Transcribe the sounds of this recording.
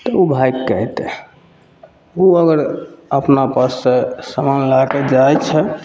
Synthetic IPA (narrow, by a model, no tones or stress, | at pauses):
t̪ɔubʱajkːəɦt̪ɛ | uəɡəɾəpnapasːesəmanlaked͡ʒajt͡ʃʰɛ